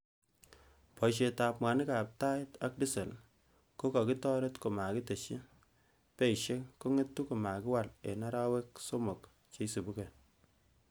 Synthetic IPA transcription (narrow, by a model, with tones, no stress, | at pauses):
pɔ˨ʃ̬e˨ta˨p̚mwa˨ni˦ka˨p̚ta˦ta˦k̚di˦se˨l | ko˦ka˨ki˦tɔ˦ɾe˦tko˨ma˨ki˦te˨ʃi˦ | pe˦i˨ʃe˦ko˦ŋe˦tːu˦ko˨ma˨kɪ˦wa˦˨lḛ˨na˦ɾa˦we˦k̚so˦mo˨k | t͡ʃe˦i˦si˨bu˦ke˨